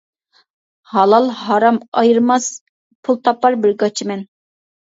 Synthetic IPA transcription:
hɑlˠɑlˠɦɑɾɑmɑjɨɾmɑs | pʰulˠt̪ʰɑpːɑɾbɪɾɡɑt͡ʃʰimɛn

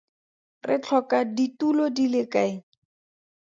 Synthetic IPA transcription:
rɪt͡ɬʰɔkaditulodilɪkaɪ

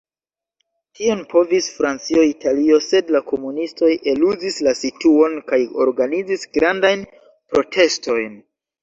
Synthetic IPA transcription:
tʰio̞npʰo̞visfɾant͡sioitʰalio̞se̞dlako̞munisto̞je̞luzislasituo̞nkajo̞̰ɾɡanid͡zisɡɾandajn | pɾo̞tʰe̞sto̞jn

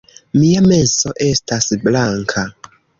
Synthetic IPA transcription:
mijamɛsɔʔɛstʰasiblaŋkʰa

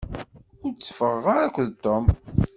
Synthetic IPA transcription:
ʊɾt͡sːə̥fəʁːaɾækʷːðt̪ːom

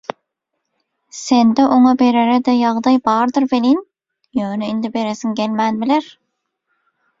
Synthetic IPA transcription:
send̪ɛʔoŋɑbeɾeɾɛd̪ɛjɑʁd̪ɑjbɑːɾd̪ɨɾvelin | jøːnyind̪ɪbeɾesɪŋɡʲelmænbɪleɾ

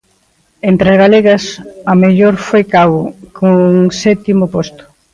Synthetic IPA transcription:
ent̪ɾɐzɣaleɣɐsɐmeʎoɾfojkaβʊkoŋsɛt̪imʊpost̪ʊ̥

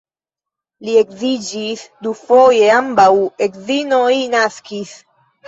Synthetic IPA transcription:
liekzid͡ʒisd̪ufoje̞ambawekzinojnaskis

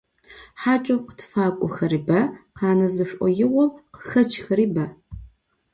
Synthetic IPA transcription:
ħaːt͡ʃʼɐqə̥tʰfaːkʷʼɔxɐɾiːbɐqɑːnɐzɨɕʷʼʔʷʼɔ̰jɪwɔmqəxɐt͡ʃʰxɐɾiːbɐ

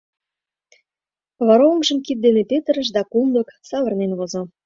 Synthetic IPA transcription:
βɑɾomʒə̆mkit̪̚d̪enepet̪ə̆ɾə̆ʃd̪ɑkumd̪ə̆ksɑβərnenβozŏ

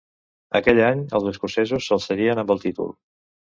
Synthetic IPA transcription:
əkɛʎaɲə̰lzðəskusɛzusːəlˠsəɣiənə̃mbəlˠt̪it̪ṵlˠ

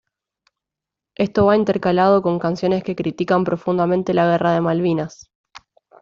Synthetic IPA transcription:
e̞st̪o̞βaint̪eɾkalað̞o̞ko̞ŋkansjo̞ne̞ske̞kɾit̪ikampɾo̞fund̪amẽnt̪e̞laɣ̞eraðe̞malβinas

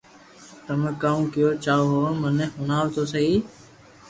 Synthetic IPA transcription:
t̪əmẽːkaːmũːkɪjoːt͡ʃaːoːɦoːmənẽːhʊnaːʋt̪oːsəiː

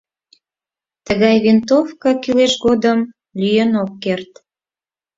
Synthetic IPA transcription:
t̪əɣɑjβint̪ofkɑkileʃɣod̪əm | lyjənokːert̪

